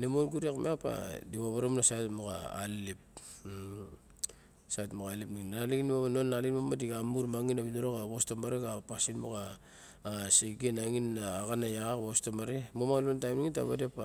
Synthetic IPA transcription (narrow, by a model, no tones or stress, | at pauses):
nemonɡuɾiakmeapa̰diβaβaɾomunasajtmoka̰ːlip̚ | satmokalipniŋinalinmamanonːalinmamadiɡamuɾmaŋinaβinoɾokaβostomaɾeɡapasinmokaː | seɡenaŋinːaːɡanajaakβostomaɾemomalontajmniŋinta̰βa̰depa